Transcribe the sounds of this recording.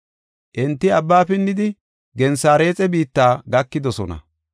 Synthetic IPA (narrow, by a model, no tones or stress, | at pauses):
ʔɪnt̪ːɪɐbːaːpɪnːɪd̪ɪ | ɡɛnsaːɾe̞ːt͡sʼɛbiːt̪ːaːɡɐkːɪd̪ɔsɔnɐ̰